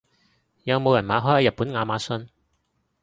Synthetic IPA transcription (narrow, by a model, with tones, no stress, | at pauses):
jɐ˨˧wmo˨˧wjɐ˨˩nmaː˨˧ɦɔː˨˥jhɐː˨˧jɐ˨t̚pu˨˥nŋaː˨˧maː˨˥sɵ˧n